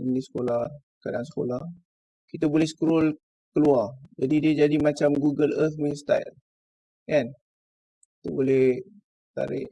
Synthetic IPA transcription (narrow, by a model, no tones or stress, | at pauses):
inisə̥kolah | kadaŋsə̥ko̰lah | kit̪abolɛhsə̥kəɾɔl | kəluard͡ʒadidiəd͡ʒadimat͡ʃamɡuɡələt̪̚ʰminst̪a̰jl | ʔan | it̪ubolɛh | t̪a̰ɾɪ̰ʔ